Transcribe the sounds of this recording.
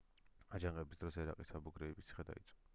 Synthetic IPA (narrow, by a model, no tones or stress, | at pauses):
ad͡ʒaŋqʼɛbisd̪ɾɔsɛɾa̰qʼisabuɡɾɛːbisʰi̥χɛd̪a̰it̪sʼɔ